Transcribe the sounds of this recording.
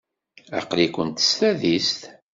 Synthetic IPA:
æ̰qlikʷənt̪ə̥st̪æðist̪

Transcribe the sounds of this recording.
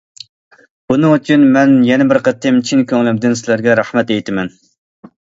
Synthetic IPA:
b̥unɨŋyt͡ʃʰynmɛnjɛnɛbɪɾqʰət̪ʰːɪmt͡ʃʰinkʲøŋlɪmd̪ɪnsɪlæɾɡʲɛɾɑhmɛt̪ejt̪ʰɪmɛn

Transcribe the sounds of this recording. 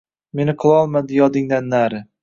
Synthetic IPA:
me̞nɪqʰɨlˠɒlˠmad̪ɪjɒd̪ɪŋd̪anːaɾɪ

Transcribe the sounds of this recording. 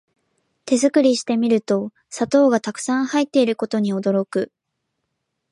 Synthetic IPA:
t̪e̞zɨkɯ̟ɾʲiɕi̥t̪e̞mʲiɾɯ̟t̪o̞ | sat̪o̞ːɡat̪akɯ̟̥sãhait̪ːe̞iɾɯ̟ko̞t̪o̞ɲ̟io̞d̪o̞ɾo̞kɯ̟

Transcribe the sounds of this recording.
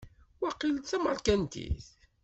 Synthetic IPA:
wæqːilt͡sæməlkænt̪ḭθ

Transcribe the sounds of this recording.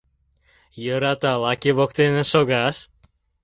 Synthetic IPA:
jəɾɑt̪ɑlɑkiβokt̪enĕʃoɣɑʃ

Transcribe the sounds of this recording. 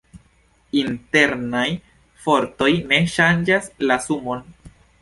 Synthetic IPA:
inte̞ɾnaj | fo̞ɾto̞jne̞ʃand͡ʒaslasumo̞n

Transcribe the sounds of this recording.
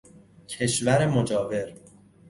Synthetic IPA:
cʰe̞ʃvæɾemod͡ʒɒːve̞ɾ

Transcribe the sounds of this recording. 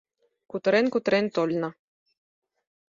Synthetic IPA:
kut̪ɾenkut̪ɾent̪olʲna

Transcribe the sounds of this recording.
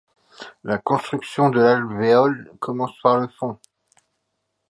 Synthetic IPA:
lakɔ̃st̪χyksjɔ̃d̪əlalveɔlkʰɔmɑ̃spaʁləfɔ̃

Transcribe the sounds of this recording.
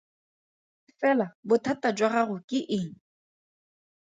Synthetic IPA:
ɪfɛlabʊtʰatad͡ʒwaɣaɣʊkʼɪʔɪŋ̩

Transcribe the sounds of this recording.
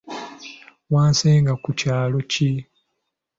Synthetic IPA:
waːnseːŋɡakucaːlo̞ci

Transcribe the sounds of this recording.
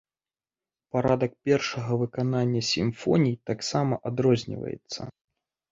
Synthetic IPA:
paɾad̪ɐk̚pʲɛrʂɐɣɐvɨkananʲːɐsʲimfɔnʲijt̪aksamɐʔad̪ɾɔzʲnʲḭvɐ̰jɛ̰t̪sːɐ̰

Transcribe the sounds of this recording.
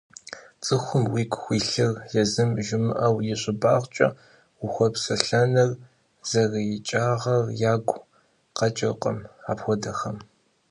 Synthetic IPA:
t͡sʼɨxʷʊmwiːkʷʰʼxʷiːɬɨrjɛzɨmʒɪmɨʔɐwjɪɕʼɪbaːʁʷt͡ʃʼɐ̰ | wʊxʷɔpsɐɬɐnɐr | z̥ɐrijɪt͡ʃʼaːʁɐrjaːɡʷ | qɐt͡ʃʼɪqʼɐ̰maːpxʷɔdɐxɐm

